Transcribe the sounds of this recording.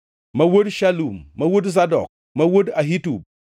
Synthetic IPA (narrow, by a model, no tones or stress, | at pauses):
mɐwotʃalumːɐwot̬zadɔ̰k̚ | mɐwot̬aɦitub̚